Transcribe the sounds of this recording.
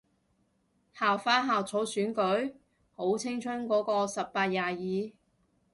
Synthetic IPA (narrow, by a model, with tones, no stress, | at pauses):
haː˨wfaː˥ɦaː˨wt͡sʰo˨˥wsyː˨˥nkɵ˨˥ɥ | ho˨˥wt͡sʰɪ˥ŋt͡ʃʰɵ˥nkɔː˨˥kɔː˧sɐ˨pːaː˧t̚jaː˨˩jiː˨˧